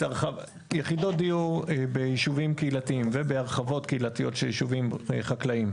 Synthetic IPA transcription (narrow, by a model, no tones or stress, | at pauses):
aʁχav | jeχido̞dijubejiʃuvimkeilatiimvebeaʁχavo̞tkeilatijo̞tʃejiʃuvimḛχaklaim